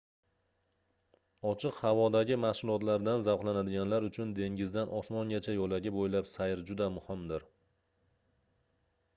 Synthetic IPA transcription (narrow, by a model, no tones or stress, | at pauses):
ɒt͡ʃʰɨqhavɒd̪aɡʲɪmahsʊlˠɒt̪laɾd̪anzavqlanad̪ɪɡʲanlaɾʊt͡ʃʰʊnd̪e̞ŋɡʲɪzd̪anʔɒsmɒŋɡʲat͡ʃʰajɒlaɡʲɪbojlapsajɪɾd͡ʒʊd̪amʊhɪmd̪ɪɾ